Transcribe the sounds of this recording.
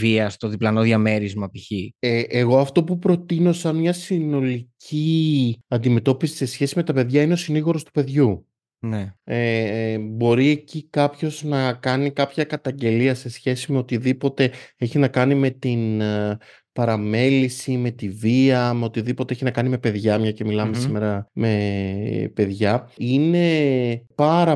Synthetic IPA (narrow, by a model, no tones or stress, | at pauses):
viɐst̪o̞ðiplɐnoðʝɐme̞ɾizmɐpiçieʔeɣo̞ɐft̪o̞pupɾo̞t̪ino̞sɐnmɲɐsino̞liciɐnd̪ime̞t̪o̞pisi̥se̞sçe̞sime̞t̪ɐpe̞ðʝɐine̞siniɣo̞ɾo̞st̪u̥pe̞ðʝu | neebo̞ɾie̞cikɐpço̞znɐkɐnikɐpçɐkɐt̪ɐɲɟe̞liɐse̞sçe̞sime̞o̞t̪iðipo̞t̪e̞eçinɐkɐnime̞t̪in | pɐɾɐme̞lisime̞t̪iviɐme̞ot̪iðipot̪eeçinɐkɐnime̞pe̞ðʝɐmɲɐce̞milɐme̞sime̞ɾɐme̞ | pe̞ðʝɐine̞pɐɾɐ